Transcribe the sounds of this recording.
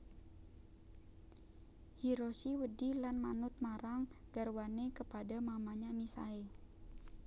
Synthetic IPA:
hiɾosiwədilanmanʊt̪̚maɾaŋɡarwanekəpadamamaɲamisa̰e

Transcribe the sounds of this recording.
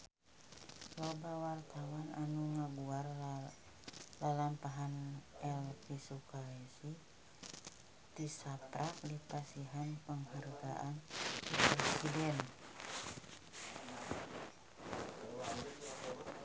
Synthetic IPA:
lɔbawart̪awananuŋaɡuar | lalampaɦanɛlpisukaesi | t̪isapɾak̚dipasiɦanpəŋɦarɡaʔandipɾɛsidɛn

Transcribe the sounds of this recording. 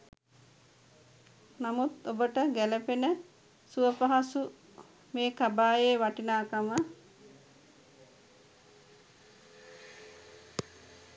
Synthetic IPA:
namut̪obəʈəɡæləpenə | suʋəpaɦasu | meːkabaːjeːʋaʈinaːkamə

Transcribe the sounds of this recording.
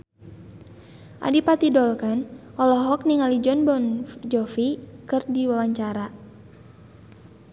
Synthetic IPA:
ʔa̰dipat̪idɔlkanʔɔlɔɦɔk̚niŋalid͡ʒɔnbɔnd͡ʒɔfikɨrdiwawaɲt͡ʃaɾa

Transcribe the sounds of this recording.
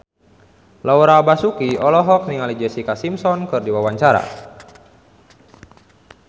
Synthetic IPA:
lauɾaːbasukiɔlɔɦɔk̚niŋalid͡ʒɛsikasimsɔnkɨrdiwawaɲt͡ʃaɾa̰

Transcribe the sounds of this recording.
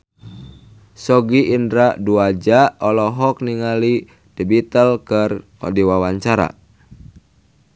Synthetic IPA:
sɔɡiʔːndɾaduad͡ʒaɔlɔɦɔk̚niŋali | d̥ibit̪əlkər | ɔ̰diwawaɲt͡ʃaɾa̰

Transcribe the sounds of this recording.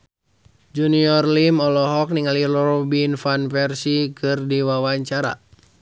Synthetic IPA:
d͡ʒuniɔrlimɔlɔɦɔk̚niŋalirɔɔbinfanfɛrsikɨrdiwawaɲt͡ʃaɾa̰

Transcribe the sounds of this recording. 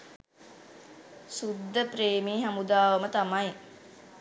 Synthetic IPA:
sud̪ːəpɾeːmiɦamud̪aːʋəmət̪amaj

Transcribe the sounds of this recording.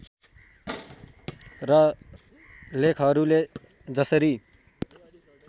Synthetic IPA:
rʌ | lekʰɦʌɾule | d͡zʌsʌɾi

